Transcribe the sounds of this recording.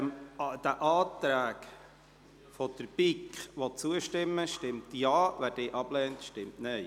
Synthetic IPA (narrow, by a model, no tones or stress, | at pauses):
md̥æʔɑːt̪ɾæːk | fɔd̪̥əɾpikχʋɔt͡suəʃtɪmːəʃtɪmtjɑːʋæɾd̥eːʔɑb̥lɛːntʃtɪmtnɛj